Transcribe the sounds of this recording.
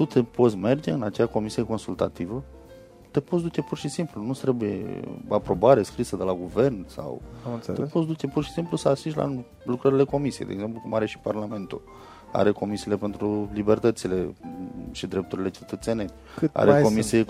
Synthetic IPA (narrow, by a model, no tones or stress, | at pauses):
t̪ut̪epo̞t̪sʲme̞rd͡ʒe̞ɨnat͡ʃeako̞misije̞ko̞nsult̪at̪ivə | t̪e̞pot̪sd̪ut͡ʃe̞purʃisimplunut̪ɾe̞bujḛapɾo̞baɾe̞skɾisəd̪elaɡuve̞rnsa̰weepot̪s̬d̪ut͡ʃe̞purʃi̥simplusəasiʃlʔa̰ | lukɾəɾile̞ko̞misijejd̪ḛɡze̞mplukumaɾe̞ʃi̥parlame̞nt̪ṵl | a̰ɾe̞ko̞misiːle̞pe̞nt̪ɾulibe̞rt̪ət̪sile̞ | ʃid̪ɾe̞p̚t̪uɾile̞t͡ʃet̪ət̪seneʃ | a̰ɾeo̞misie